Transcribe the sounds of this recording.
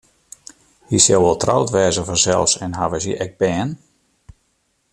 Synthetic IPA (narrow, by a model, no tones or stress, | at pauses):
hisjawʋɔlˠtra̰wtʋɛːzəvɔnzɛ̰lˠfsɛnɦaʋəsiʔɛɡ̚bɛːn